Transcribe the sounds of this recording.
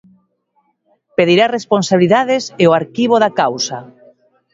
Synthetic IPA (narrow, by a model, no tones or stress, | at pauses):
peðiɾaresponsaβliðaðeseoaɾkiβ̞oðakawsa